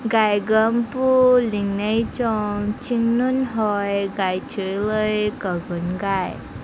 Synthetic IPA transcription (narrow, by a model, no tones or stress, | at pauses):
ɡajɡəmpuliŋnəjt͡ɕɔŋt͡ɕiŋnunɦɔjɡajt͡ɕiləjkəɡunɡaj